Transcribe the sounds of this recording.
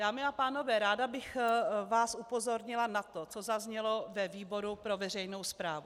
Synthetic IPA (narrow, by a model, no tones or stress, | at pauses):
d̥aːmɪapaːno̞vɛːɾaːdabɪxvaːsupo̞zo̞ɾɲɪlanat̪ot͡sozazɲɛlo̞vɛviːbo̞ɾupɾo̞vɛr̝ɛjnowspɾaːvu